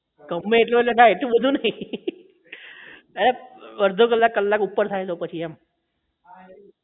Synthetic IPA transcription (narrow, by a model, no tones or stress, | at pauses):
kəmːeeʈ̪lʋələnaeʈ̪ubəd̪ʱunai | əɾeʋəɾd̪ʱok̬əlːakːəlːakupːəɾt̪ʰaet̪̬opət͡ɕʰiɛm